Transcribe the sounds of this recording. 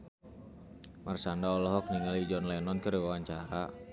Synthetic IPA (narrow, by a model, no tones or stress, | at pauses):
marsandaɔlɔɦɔk̚niŋalid͡ʒɔnlɛnɔnkəɾiwawaɲt͡ʃaɾa